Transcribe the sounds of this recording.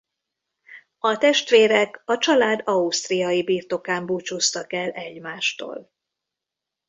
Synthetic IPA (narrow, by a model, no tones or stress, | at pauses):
ɒt̪ɛʃt̪ʋeːɾɛkɒt͡ʃɒlaːd̪ɒust̪rijɒjibiːrt̪o̞kaːmbuːt͡ʃuːst̪ɒkɛlɛɟmaːʃt̪o̰ːl